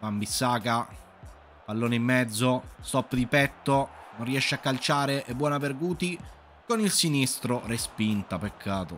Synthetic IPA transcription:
ambisːaːka | palːoːneimːɛd̪zːost̪ɔpːd̪ipɛt̪ːononrːiɛʃːeakːalt͡ʃaːɾeʔebːwɔːnaverɡuːt̪i | konilsinist̪ɾorespint̪apekʰːaːt̪o

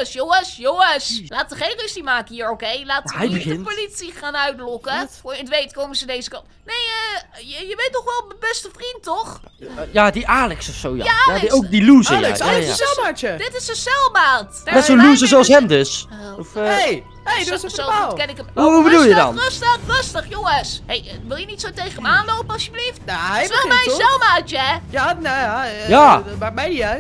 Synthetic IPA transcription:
sjowəsjoəslaːtəχejnrøsimaːkəhiːɹokejlaːtɦɛjbəɣɪnəpolitsiχaːnœɥtlɔkəojətʋejtkowməzəndejzəkɑnt | nejəəjəʋejtɔχʋɛlˠməbɛstəfrintːɔχjadiʔaːlɛksɔfsowjaaadowk̚diluzəj̰ajɪ̰at͡ʃədɪtɪsəsɛlˠmaːt | nɛtsoluzəzowɑsɦɛmdøsɔfe | essoakɛnɪkəmuɦubədulˠjədɑ̰nrøstərøstəχjoŋəsɦejʋɪlˠjənitsowtejχənəmaːnlowpəɑsʃjəbliftaɛɛlˠmɛsɛlˠmaːt͡ʃɛjanajaːmamɛj

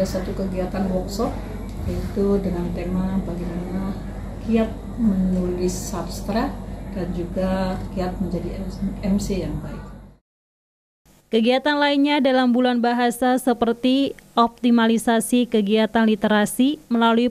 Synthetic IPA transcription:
asat̪ukəɡiat̪anwɔk̚sɔt̚ | jait̪udəŋant̪emabaɡimana | kiat̪̚ | mənulɪsabst̪ɾadand͡ʒuɡakiat̪̚məɲd͡ʒadiɛmsijaŋbaɪk̚ | kəɡiat̪anlainɲadalambulanbaɦasasəpərt̪iʔɔp̚t̪imalisasikəɡiat̪anlit̪eɾasiməlalui

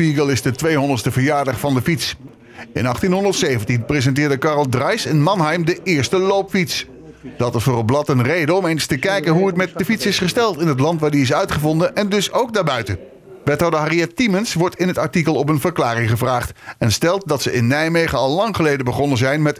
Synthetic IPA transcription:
piɡəlˠɪzdətʋejɦɔndəɹstəvəɹjaːɹdɑχfɑndəfits | ɪ̰nɑχtinɦɔndəɹtsejvəntinprezɛnt̬ɪːɹdəkɑrlˠdrɑjsɪnmɑnɦɛjmdəʔɪːɹstəlowpfits | d̥ɑtɪsfʊːrəlˠblɑtənrejdəɔmejnstəkɛjkənɦuɦətmɛt̚dəfitsɪsχəstɛlˠtɪnɦət̬lɑntʋaːɹdiɪs̬œɥtχəvɔndənʔɛndɵsowk̚daːɹbœɥtə | ʋɛtɦɑwdəɦariɛtːimənsʋɔɹtɪnɦətɑɹtikəlˠɔpənvəɹklaːrɪŋχəvraːχtɛnstɛlˠt̚dɑtsəɪnːɛjmejχəɑlˠlːɑŋχəlejdəbəχɔnəzɛjnmɛt

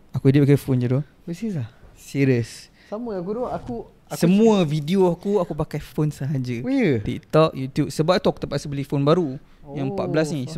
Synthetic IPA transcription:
akuidip̚akajfond͡ʒudo | wisiəsa | siɾiəs | saməakudoaku | səmũəvidioakuakupakajfonsəɦad͡ʒəjət̪ḭk̚t̪ɔkjut̪jub̚səbapt̪ɔk̚t̪əpasəbəlifonbaɾu | jaŋpa̰t̪̚blasnĩs

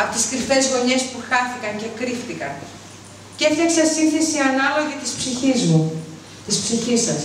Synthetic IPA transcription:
ɐpot̪iskɾife̞zɣo̞ɲe̞spuxɐθikɐɲce̞kɾifθikɐn | cefθeksɐsinθe̞siɐnɐlo̞ʝit̪ispsiçizmu | t̪ispsiçisːɐs

